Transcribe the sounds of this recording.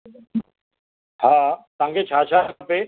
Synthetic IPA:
haːt̪ãːŋɡet͡ʃʰaːt͡ʃʰape

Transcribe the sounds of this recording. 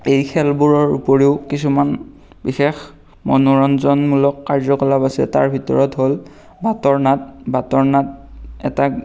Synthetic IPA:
ejkʰɛlbuɹɔɹupoɹiʊkisuman | bixex | mɔ̰nuɹɔnzɔnmulɔkːaɹzɔkɔlabasiɛ̰ta̰ɹbʱitɔ̰ɹɔtɦol | batɔɹnat̚batɔɹnat̚ɛ̰ta

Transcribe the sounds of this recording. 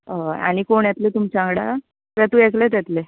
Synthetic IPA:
əa̰ɽ̃ikoɳjɛt̪let̪umt͡ɕaŋɡɽa | pet̪ueklet̪̬ɛt̪le

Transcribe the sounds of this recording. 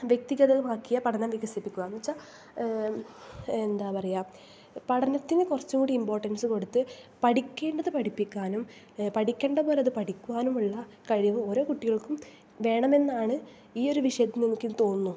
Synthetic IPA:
ʋjek̚t̪iɣɐðɐlmaːkːijɐpɐɽʰɐnɐmʋiɣɐsipːikʲːuɐnːit͡ɕːa | end̪aːpɐrɐjaː | pɐɽɐnɐt̪ːinɨkurɐt͡ɕːuŋkuːɽiimbo̞ːrʈːɐnsɨko̞ɽut̪ːɨpɐʈikʲːe̞ːɳɖɐðɨpɐʈipːikʲːaːnum | pɐʈikʲːe̞ːɳɖɐpo̞ːleɐðɨpɐʈikʲːuʋaːnumuɭːɐ | kɐɻiʋɨo̞ːɾo̞ːkuʈːiɣɐɭkum | ʋe̞ːɳɐme̞nːaːɳɨ | iːo̞ɾuʋiʂɐjɐt̪ːɨninːikʲːɨt̪o̞ːnːu

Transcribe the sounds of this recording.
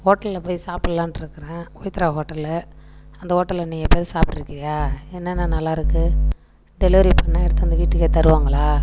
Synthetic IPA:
hoːʈːɐlɪlɐpoːjsaːpɪɽlãːnɪɾɯkːɯɾẽːoːjt̪ːɪɾaɦoːʈːɐllɐɐnd̪ɐɦoːʈːɐlːɐniːŋɐpːeːðsaːp̚ʈɪɾɯkːɪɾɐjaːɛnːɐnːanɐlːaːɪɾɯkːɯ | ɖɛloːɾipːɐnːãːɛɽɯt̪ːɐnd̪ɐʋiːʈːɯkːeːt̪ɐɾɯʋaːŋɡɐɭaː

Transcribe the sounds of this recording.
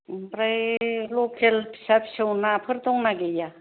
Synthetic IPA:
bɾajlokʰelpʰi̥sapʰi̥sɯwnapʰɯɾt̪ɔŋnaɡeja

